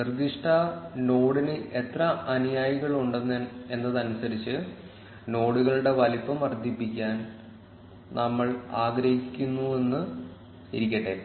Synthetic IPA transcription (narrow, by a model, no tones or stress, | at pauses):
nɨrd̪iʂʈʰɐno̞ːɽinɨʔe̞t̪rɐɐnujaːjiɣɐɭuɳɖenːee̞nːɐðɐnusɐɾit͡ɕːɨ | no̞ːɽuɣɐɭuɽe̞ʋɐlipːɐmɐrd̪ʱipːikʲːaːn | nɐmːɐɭaːɡɾɐhikʲːunːue̞nːɨ | iɾikʲːɐʈːe̞